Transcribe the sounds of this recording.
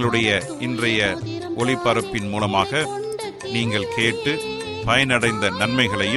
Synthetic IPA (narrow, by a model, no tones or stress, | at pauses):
ɐɭɯɽɐjɐʔɪndrɐjɐ | ʔɔɭɪpːɐɾɯpːɪnmuːlɐmaːɣɐ | niːŋɡɐɭkʰeːʈːɯ | pɐjɐnɐɽɐɪnd̪ɐnɐnmɐɪɣɐɭɐjɯ